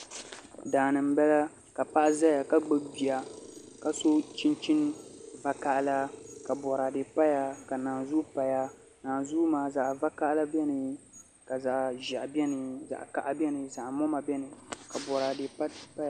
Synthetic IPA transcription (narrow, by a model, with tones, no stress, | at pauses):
daː˨nɨ˨m̩˦bɛ˦la˦ | ka˨pa˦ʔza˦ja˨ka˦ɡ͡bɨ˦bi˨a˨ka˨so˦t͡ʃi˦nt͡ʃi˦n˦va˦ka˦ʔla˦ka˨bɔ˨ɾa˨de˨pa˦ja˦ka˨naː˨zu˦pa˨ja˦ | naː˨zu˦maː˨˦za˨ʔva˦ka˦ʔla˦bɛ˦nɨ˨ | ka˨za˨ʔʒa˨ʔbɛ˦nɨ˨za̰˨ʔka˨ʔa˦bʲɛ˦nɨ˨za˨ʔmɔ˦ma˨bɛ˦nɨ˨ka˨bɔ˨ɾa˨de˨˦pa˦˨